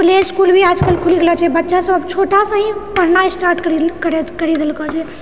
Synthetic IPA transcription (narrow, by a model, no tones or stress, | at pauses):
pleskulbʱiaːd͡ʒkəlkʰuliɡelat͡ʃʰɛbətːʃasəbəbt͡ʃʰoʈasə̃ɦĩpəɽnaisʈaːɾʈkəɾikəɾekəɾid̪elkɔt͡ʃʰɛ